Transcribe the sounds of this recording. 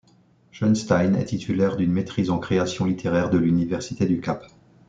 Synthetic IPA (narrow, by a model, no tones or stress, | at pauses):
ʒɔnst̪ajnɛ̰t̪it̪ʰylɛʁd̪ynmet̪χizɑ̃kχeasjɔ̃lit̪ʰeʁɛʁd̪əlynivɛʁsit̪ed̪ykap